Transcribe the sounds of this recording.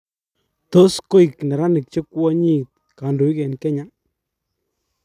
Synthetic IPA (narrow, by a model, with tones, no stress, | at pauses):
t̪o˦sko˦i˨knɛ˨ɾa˦nɪ˨k̚t͡ʃe˦kwɔ˦ɲi˦t̪̚ka˨ndo˨i˦kɛ˨nkɛ˦ɲa˦